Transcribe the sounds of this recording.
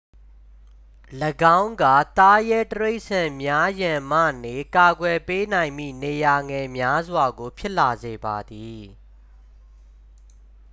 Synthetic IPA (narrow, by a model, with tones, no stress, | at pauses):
ləɡã˦ʊ̃ŋɡa˦˨t̪a˦jɛ˦təɹe˦ɪʔsã˨mja˦jã˨mä̰˦˨ne˨ka˨ɡwɛ˨pe˦nã˨ɪ̃mḭ˦˨ne˨ja˨ŋɛ̃˨mja˦zwa˨ɡo˨pʰjɪ˦ʔla˨ze˨ba˨d̪i˨